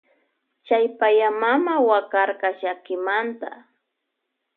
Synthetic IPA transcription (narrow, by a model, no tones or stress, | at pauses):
t͡ʃajpajamamawakaɾkɑʃakɪmant̪a̰